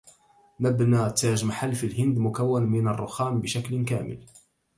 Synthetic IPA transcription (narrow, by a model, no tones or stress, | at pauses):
mabnaːt̪ːaːʒmaħalːfilhɪnd̪mʊkawːanmɪnarˤːʊxaːmbɪʃaklkaːmɪ̰l